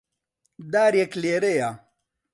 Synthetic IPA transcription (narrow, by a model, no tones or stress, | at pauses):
d̪aːɾjekleːɾeja